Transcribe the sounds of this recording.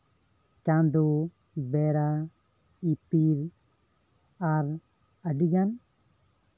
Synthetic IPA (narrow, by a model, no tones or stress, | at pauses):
kãnd̪u | beɾa | ipiɾ | aɾ | əɖiɡan